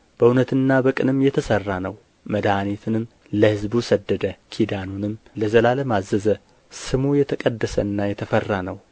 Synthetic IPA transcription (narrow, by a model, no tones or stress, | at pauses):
b̥əunət̪ɨnːabəkʼɨnɨmːjɛt̪ʰəsərːanəw | məd̪aanet̪ʰɨnɨm | ləhɨzbusəd̪ːəd̪əkʰid̪anunɨmːləzəlaləmazːəzə | sɨmujɛt̪ʰəkʼəd̪ːəsə̰nːajɛt̪ʰəfərːanəw